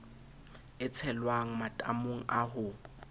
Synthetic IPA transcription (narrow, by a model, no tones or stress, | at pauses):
ɪt͡sʰɛlwaŋ̩matʼamoŋ̩ʔaɦʊ